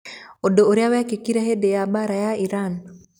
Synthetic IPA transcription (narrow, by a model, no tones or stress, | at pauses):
odooɾjawɛkekiɾaɦedejabaɾajaiɾan